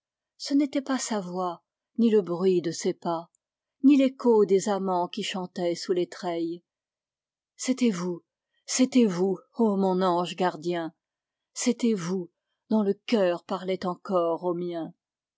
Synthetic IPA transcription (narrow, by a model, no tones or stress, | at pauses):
sənet̪ɛpasavwa | niləbʁɥid̪əsepa | nilekod̪ezamɑ̃kʲiʃɑ̃t̪ɛsulet̪χɛj | set̪ɛvu | set̪ɛvuomɔ̃nɑ̃ʒɡaʁd̪jɛ̃ | set̪ɛvu | d̪ɔ̃ləkʲœʁpaʁlɛt̪ɑ̃kɔʁomjɛ̃